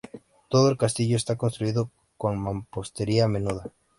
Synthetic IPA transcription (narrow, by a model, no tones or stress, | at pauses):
t̪oð̞oelkast̪iʎoest̪akonst̪ɾuiðo | koŋmãmpost̪eɾiamenuð̞ɐ